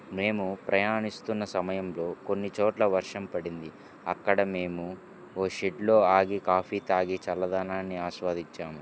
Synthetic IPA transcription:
me̞ːmupɾɐjaːnist̪unːɐsɐmɐjɐmlo̞ːko̞nːit͡ʃoːʈlɐʋɐɾʂɐmpɐɽind̪i | ɐkːɐɽɐme̞ːmu | oːʃeɖlo̞ːaːɡikaːpʰiːt̪aːɡit͡ʃɐlːɐd̪aːnaːnːiaːʃʋaːd̪iɲt͡ʃːaːmu

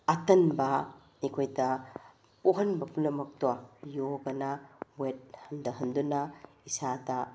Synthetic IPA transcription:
ɐtɐnbɐ | ikʰojdɐ | poɦɐnbɐpʰulɐmɐk̚tajoɡɐnɐwet̚hɐndɐɦɐndunɐ | isadɐ

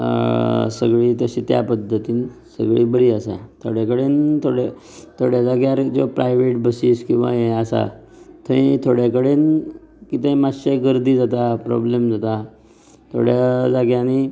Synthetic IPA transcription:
səɡɭiːt̪əɕiːt̪ja̰pəd̪ʱːət̪iːnsə̰ɡɭiːbəɽiːəsa̰t̪ʰoɽjakəɽent̪ʰoɽet̪ʰoɽjad͡zaɡjaɾd͡zopɾajʋeʈbəsiːskĩw̃ʋa̰jeəsa̰ | t̪ʰəĩt̪ʰoɽjakəɽenkit̪əimaɕeɡəɾd̪iːd͡zat̪apɾɔ̰blemd͡zat̪a | t̪ʰo̰ɽjad͡zaɡañi

